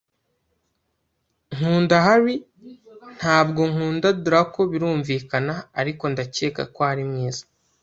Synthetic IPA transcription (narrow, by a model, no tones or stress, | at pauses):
ŋ̥uːndaɦaɾi | n̥haːbɡo̞ŋ̥uːndaduɾako̞βiɾuːɱviːkanaːɾiko̞ndace̞ːka̰kohaɾimŋiːzḁ